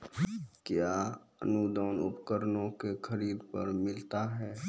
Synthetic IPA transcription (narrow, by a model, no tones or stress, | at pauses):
kjaː | ə̰nud̪ɔːnʊ̰pkəɾnõkexʰəɾiːd̪pə̰ɾmɪlt̪aɦɛː